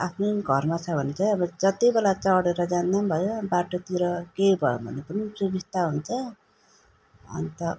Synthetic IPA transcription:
apʰnʌjɡʱʌrmat͡sʰʌbʱʌnet͡saʌbʌd͡zʌt̪ibelat͡sʌɽeɾʌd͡zand̪ambʱʌjonbaʈot̪iɾʌkejbʱʌjo̰bʱʌ̰nepʌnisubist̪aɦunt͡sʰʌ | ʌ̰nit̪ʌ

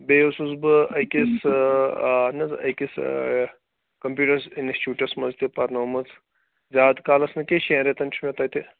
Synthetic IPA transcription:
beːosusbɨɐjkis | nɐzɐ̰kis | kɐmpjuːʈɐɾsinsʈuːʈɐɾsmɐzt̪epɐɾnoːmɐt͡s | zaːd̪kaːlɐsnɨkeʃẽːɾet̪ɐnt͡ʃʰmẽt̪at̪e

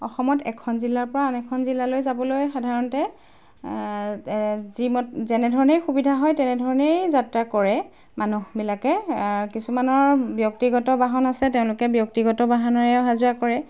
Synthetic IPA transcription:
ɔxɔmɔtɛ̰kʰɔnzilaɹpɔɹaːnɛkʰɔnzilalojzabɔlojxadʱaɹɔntɛ | zimɔtzɛnɛdʱɔɹɔnejxubidʱaɦɔjtɛnɛdʱɔɹɔnejzatɹakɔɹɛ | manuxbilakɛkisumanɔɹbjɔk̚tiɡɔtɔbaɦɔnasɛteʊ̃lʊkɛbjɔk̚tiɡɔtɔbaɦanɔɹɛɦazuakɔɹɛ

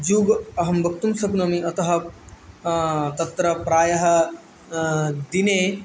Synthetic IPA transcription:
d͡ʒuːɡɐɦɐmbɐk̚t̪umsɐbnomiʔɐt̪ɐɦɐ̆ | t̪ɐt̪ɾɐpɾaːjɐɦɐ̆ | d̪ine

